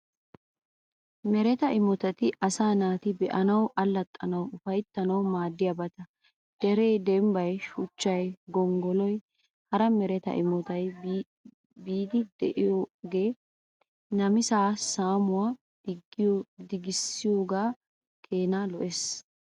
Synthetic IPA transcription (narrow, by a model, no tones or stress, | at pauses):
mɛɾɛt̪ɐɪmɔt̪ɐt̪ɪʔɐsaːnaːt̪ɪbɛʔɐnɐwʔɐlːɐt̪ʼːɐnɐwʊfɐjt̪ːɐnɐwmaːd̪ːɪjɐbɐt̪ɐ | d̪̥ɛɾejd̪ɛmbɐjʃʊt͡ʃːɐjɡɔŋɡɔlɔj | hɐɾɐmɛɾɛt̪ɐ̰ʔɪmɔt̪ɐj | biːd̪ɪd̪ɛ̰ʔɪoːɡe̞ː | nɐmɪsaːsaːmʊwaː | ɡd̪ɪɡɪsːɪjoːɡaː | kʰe̞ːnalɔʔeːs